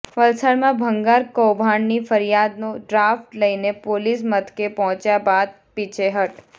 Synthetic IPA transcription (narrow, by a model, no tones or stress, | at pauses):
ʋəlsaɾmãbʱəŋɡaɾkowbʱaɳnifəɾjad̪noɖɾafʈləinepolis̬mət̪kepɔɦɔ̃t͡ʃjabad̪̚pit͡ʃʰeɦəʈ